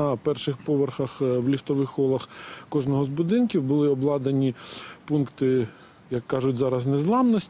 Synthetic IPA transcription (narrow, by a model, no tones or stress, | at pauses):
ɐpɛrʃɪxpɔʋerxɐxwlʲiwt̪ɔʋɪxɔlˠɐxkɔʒnɔɦɔzbʊd̪ɪnkʲiwbʊlˠɪɔblˠɑd̪ɐnʲipunkt̪ɪ | jɐkːɑʒʊtʲzɑɾɐsnɛzlˠɑmnɔsʲ